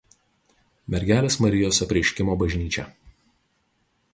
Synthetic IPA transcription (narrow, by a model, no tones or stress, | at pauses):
mʲɛɾʲɡʲæːlʲeːsmɐɾʲɪjoːsʲɛpʲɾʲɪɛɪʃʲkʲɪmoːbɐʒʲnʲiːt͡ʃʲɛ̰